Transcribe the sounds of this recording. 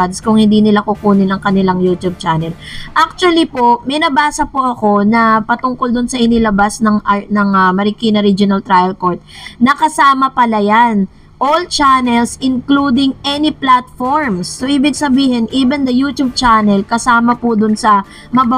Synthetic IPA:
d̪skʊŋhɪnd̪iːnɪlakʊkuːnɪnɐŋkɐnɪlaŋjut̪ub̚t͡ʃanɛlʔak̚t͡ʃʊɐlipoʔmɛjnɐbaːsɐpoʔɐko̞nɐpɐt̪ʊŋkold̪ʊnsɐʔɪnɪlɐbasnɐŋʔanɐŋɐmɐɾɪkiːnɐɾid͡ʒonɐlt̪ɾajɐlkoɹt̪̚nɐkɐsaːmɐpɐlɐjan | ʔolt͡ʃanɛlsʔɪnklud̪ɪŋʔɛniplat̪̚foɹmsːoʔiːbɪɡ̚sɐbiːhɪnʔiːbɛnd̪ɐjut̪jub̚t͡ʃanɛlkɐsaːmɐpʊd̪ʊnsɐ | mɐba

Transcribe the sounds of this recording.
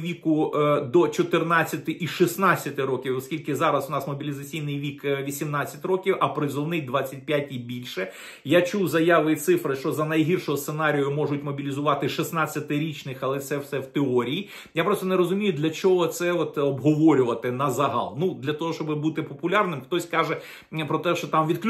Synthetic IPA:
ʋʲikʊd̪ɔt͡ʃɔt̪ɪrnɑt͡sʲːɐt̪ɪʔiʃisnɑt͡sʲːɐt̪ɪɾɔkʲiwɔskʲilʲkɪzɑɾɐsʊnɑsmɔbʲilʲɪzɐt͡sʲijnɪjʋʲikʋʲisʲimnɑt͡sʲːɐtʲrɔkʲiwɐpɾɪzɔlˠnɪjd̪ʋɑt͡sʲːɐt̚ʲpʲjatʲibʲilʲʃɛ | jat͡ʃuwzɐjɑʋɪit̪sɪfɾɪʃt͡ʃɔzɐnɐjɦirʃɔɦɔst̪senɑɾʲijʊmɔʒʊtʲmɔbʲilʲizʊʋɑt̪ɪʃisnat͡sʲːɐt̪ɪɾʲit͡ʃnɪxɐlˠɛt̪sɛwsɛwt̪ɪɔɾʲiji | japɾɔst̪ɔneɾɔzʊmʲijʊd̪ʲlʲɐt͡ʃɔɦɔt̪sɛɔt̪ɔbɦɔʋɔɾʲʊʋɐt̪ɪnɐzɐɦɑ̰lˠnud̪lʲɐt̪ɔɦɔʃt͡ʃɔbɪbut̪ɪpɔpʊlʲɑrnɪmxt̪ɔsʲkɑʒɛ | pɾɔt̪ɛʃt͡ʃɔt̪ɑmʋʲid̪kʲ

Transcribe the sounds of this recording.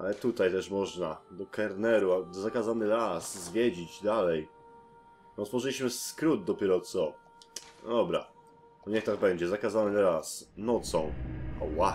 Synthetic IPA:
ʔa̰lɛt̪ut̪ajt̪ɛʂmɔʐnad̪ɔkɛɾnɛɾuazakazanɘɾaszvʲjed͡ʑid͡ʑd̪alɛj | nɔt̪fɔʐɛlʲiɕmɘskɾud̪̚d̪ɔpʲjɛɾɔt̪sɔ̰ | d̪ɔbɾa̰ | bɔɲɛxt̪aɡbɛɲd͡ʑɛzakazanɘɾasnɔt̪sɔ̃w̃ɔ̰wa

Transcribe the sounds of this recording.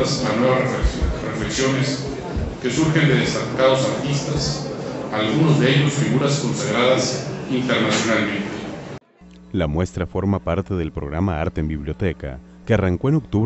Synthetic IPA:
slanwe̞βarefleksjo̞ne̞s | ke̞suɾxe̞nd̪e̞ðest̪akaðo̞saɾt̪ist̪asalɣuno̞zðe̞eʎo̞sfiɣuɾasko̞nsaɣɾaðasint̪e̞ɾnasjo̞nalmẽ̞nt̪e | lamwe̞st̪ɾafo̞ɾmapaɾt̪eðelpɾo̰ɣɾamaa̰ɾt̪eeːmbiβljot̪eka̰ | kearaŋko̞eno̞k̚t̪uβ

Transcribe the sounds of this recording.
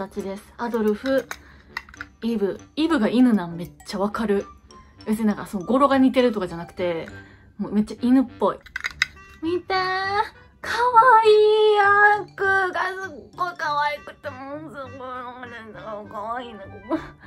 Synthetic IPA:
at͡ɕid̪e̞sɨ̥ad̪o̞ɾɯ̟ɸɯ̟ | ibɯ̟ibɯ̟ɡainɯ̟nãme̞t͡ɕːaβakaɾɯ̟besɨɲinãŋkaso̞noɡo̞ɾo̞ɡaɲ̟it̪e̞ɾɯ̟t̪o̞kad͡ʑanakɯ̟̥t̪e̞ | moːme̞t͡ɕːaʔinɯ̟pːo̞i | mʲit̪e | kʰaβaiːakɯ̟ɡazɨkːokaβaikɯ̟t̪ːemozɨkoɾonɯnd̪aakaβaiːnoɡimo

